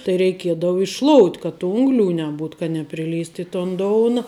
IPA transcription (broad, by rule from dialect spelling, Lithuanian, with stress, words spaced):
tɐɪ rʲɛɪˈkʲiɛdɐʊ ɪʃˈʃlˠoːʊtʲ kɐ tʊ ˈʊŋɡlʲʊ nʲɛˈbuːt kɐ nʲɛpʲrʲɪˈlʲiːst ɪ toːn ˈdoːʊnɐ